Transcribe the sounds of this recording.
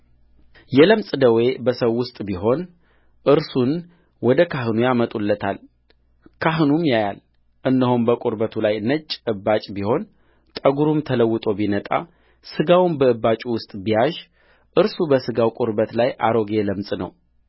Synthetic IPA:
jɛləmsʼd̪əwe̞bəsəwːʊst̪ʼbiɦo̞n | ʔɨɾsun | wɔd̪əkʰaɦɨnujamət̪ʼulːət̪ʰal | kʰaɦɨnumjajal | ʔɨnːəhombəkʼoɾbət̪ʰulajnət͡ʃʼːɨbːat͡ʃʼbiho̞n | t̪ʼəɡuɾumt̪ʰələwːɨt̪ʼo̞binət̪ʼa̰ | sɨɡawnbəɨbat͡ʃʼuwʊst̪ʼbijaʒ | ʔɨɾsubəsɨɡawkʼoɾbət̪lajʔa̰ɾo̞ɡe̞ləmsʼnə̰w

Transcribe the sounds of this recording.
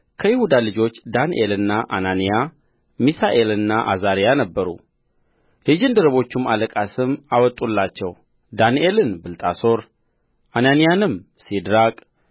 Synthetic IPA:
kʰəjɪhud̪alɨd͡ʒo̞t͡ʃːd̪anʔelɨnːaʔa̰nanija | misaʔe̞lɨnːaʔa̰zaɾijanəbːəɾṵ | hɨd͡ʒɪnd̪əɾəβo̞t͡ʃːumaləkʼasɨmawɔt̪ʼulːat͡ʃːɛw | d̪aniʔe̞lɨnbɨlt̪ʼaso̞ɾ | ʔananijanɨmsid̪ɾakʼ

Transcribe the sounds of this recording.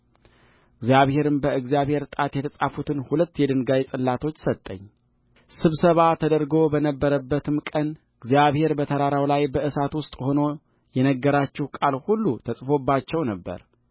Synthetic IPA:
ʔɨɡzijaβhe̞ɾɨmbəɨɡzijaβhe̞ɾt̪ʼat̪jɛt̪ʰəsʼafut̪ʰɨnhulət̪ːjɛd̪ɨnɡajsʼɨlːat̪ʰo̞t͡ʃːsət̪ʼːə̰ɲː | sɨβsəβat̪ʰəd̪əɾɡo̞bənəbːəɾəbːət̪ʰɨmkʼən | ɨɡzjaβhe̞ɾbət̪ʰəɾaɾawlajbəʔɨsat̪wʊst̪ʼho̞no̞ | jɛnəɡːəɾat͡ʃːɪhkʼalhulːut̪ʰəsʼfo̞bːat͡ʃːɛwnəbːə̰ɾ

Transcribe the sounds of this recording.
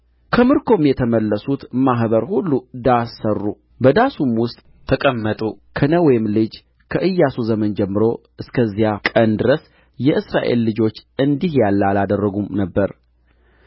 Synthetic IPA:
kʰəmɨɾkʰo̞mjɛt̪ʰəməlːəsut̪maɦbəɾhulːud̪asːərːu | bəd̪asumwʊst̪ʼ | t̪ʰəkʼəmːət̪ʼukʰənəwɔjɪmlɨd͡ʒ | kʰəʔɨjːasuzəmənd͡ʒɛmːɨɾo̞ʔɨskʰəzijakʼənd̪ɨɾəs | jɛʔɨsɾaʔe̞̰lːɨd͡ʒo̞t͡ʃːɨnd̪ihjalːalad̪ərːəɡumnəbːəɾ

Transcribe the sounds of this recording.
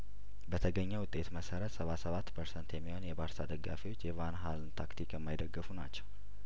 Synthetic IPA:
bət̪ʰəɡəɲːɛwʊt̪ʼːe̞t̪məsəɾət̪səβasəβat̪ːpʰəɾsənt̪jɛmːiho̞njɛbaɾsad̪əɡːa̰fiwo̞t͡ʃːjɛvanɦalnt̪ʰakt̪ʰikjɛmːajd̪əɡːɨfunat͡ʃːɛw

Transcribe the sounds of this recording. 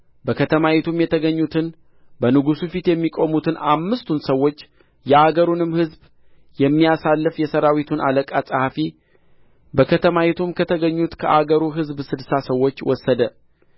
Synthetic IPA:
bəkʰət̪ʰəmawɛt̪ʰumjɛt̪ʰəɡəɲːut̪ʰɨn | bənɨɡusufit̪jɛmːikʼo̞mut̪ʰɨnʔamːɨst̪ʰunsəwːo̞t͡ʃː | jɛaɡəɾunɨmhɨzb | jɛmːijasalːɨfjɛsəɾawit̪ʰunʔaləkʼasʼhafi | bəkʰət̪ʰəmawɛt̪ʰumkʰət̪ʰəɡəɲːut̪kʰəʔaɡəɾuɦɨzbsɨdsasəwːo̞t͡ʃːwɔsːəd̪ə

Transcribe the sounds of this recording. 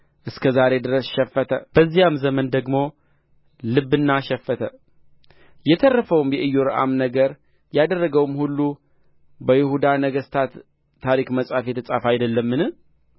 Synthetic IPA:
ʔɨskʰəzaɾe̞d̪ɨɾəsʃɛfːət̪ʰəb̥əzːijamzəmənd̪əɡmo̞ | lɨbːɨnːaʃɛfːət̪ʰə | jɛt̪ʰərːəfəwmjɛʔɨjːoɾɨʔa̰mnəɡəɾ | jad̪ərːəɡəwmhulːu | bəjɪhud̪anəɡəst̪ʰat̪ʰː | aɾikməsʼafjɛt̪ʰəsʼafajd̪əlːəmːɨnɨ

